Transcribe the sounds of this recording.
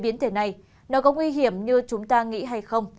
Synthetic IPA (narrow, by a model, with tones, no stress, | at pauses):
ɓi˨˦ənt̪ʰe˧˩na˨˩j | nɔ˨˦kɔ˨˦ŋwi˧ɦi˧˩əmɲɨ˧t͡ɕʊ˨˦ŋ͡mt̪aː˧ŋḭ˧˥ɦa˧jxə˧wŋ͡m